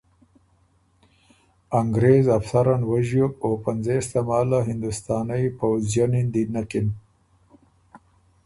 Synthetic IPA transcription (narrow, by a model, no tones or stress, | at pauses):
aŋɡɾezafsaɾanwaʒjok̚opanzest̪amɑːlaɦɪnd̪ʊst̪ɑːnajpawzjanind̪inakɪn